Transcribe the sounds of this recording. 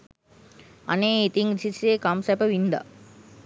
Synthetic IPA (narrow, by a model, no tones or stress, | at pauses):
ɐ̰neːit̪iŋsiseːkamsɛpəʋind̪a̰